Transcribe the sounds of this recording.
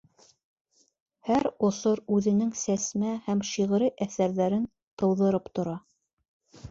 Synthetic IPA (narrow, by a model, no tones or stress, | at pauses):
hæɾŏsoɾʉðɘ̆nɘŋsæsmæhæmʃiʁ̆ɾɘʔæθæɾðæɾɘn | t̪ɤ̆wðɤ̆ɾɤpt̪ŏɾɑ